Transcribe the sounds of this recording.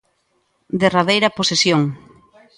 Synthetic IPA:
d̪eraðejɾɐposesjoŋ

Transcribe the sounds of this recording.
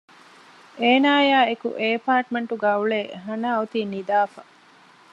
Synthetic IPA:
eːnaːjaːekṵʔeːpaːɾʈmeɳʈuɡaːuɭeːɦɐnaːut̪iːnid̪aːfɐ

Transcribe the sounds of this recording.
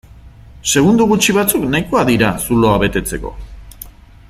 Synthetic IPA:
se̞ɣ̞und̪uɣut͡ʃiβ̞at͡suknajkoaðiɾasulo̞aβe̞t̪e̞t͡se̞ko̞̰

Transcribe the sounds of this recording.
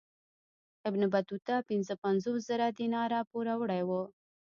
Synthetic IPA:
ɪbnɪbat̪ut̪apɪnzəpanzoszəɾad̪inɑɾapuɾawɽajwo

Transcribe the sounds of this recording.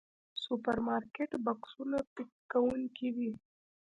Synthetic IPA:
supɐɾmaːɾkeʈbɐksunapɪkːɐwunkiwi

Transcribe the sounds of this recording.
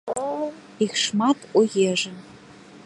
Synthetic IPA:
ixʃmɑt̪ʰujeʒɘ̆

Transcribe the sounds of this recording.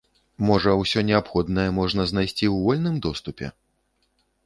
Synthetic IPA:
mɔʐɐwsʲɔnʲɛapxɔd̪nɐjɛmɔʐn̪ɐzn̪ajsʲt͡sʲiwvɔlʲnɨmd̪ɔst̪upʲɛ̰

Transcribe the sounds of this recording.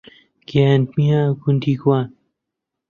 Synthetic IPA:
ɡ̥aːnt̪mĩɦãɡund̪iːkwaːn

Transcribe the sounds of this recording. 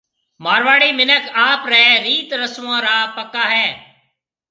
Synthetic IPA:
maːɾʋaːɽiːmɪnəkaːpɾɛːɾiːt̪ɾəsʋãːɾaːpəkaːɦɛː

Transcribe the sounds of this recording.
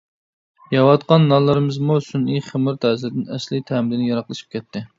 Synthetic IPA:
jɑwɑt̪qɑnːɑlˠɨɾɨmɨzmusunijχəmɨɾt̪ʰɛːzld̪ɪnɛslɪt̪ʰɛːmɪɾɪnjɑɾɑqlˠɨʃi̥p̚kʲʰɛt̪ʰːɪ

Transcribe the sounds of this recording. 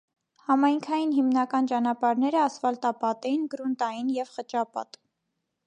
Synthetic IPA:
hɑmɑjŋkʰɑjinɦimnɑkɑnt͡ʃɑnɑpɑɾnɛɾəɑsfɑlt̪ɑpɑt̪ɛjinɡɾunt̪ɑjinjɛvχət͡ʃɑpɑ̰t̪

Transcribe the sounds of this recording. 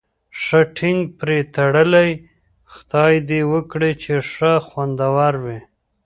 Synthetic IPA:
ʂəʈʰɪŋɡ̚pɾet̪aɽəlaj | xt̪ɑjd̪ewəkɽet͡ʃeʂəxwand̪awɑɾwi

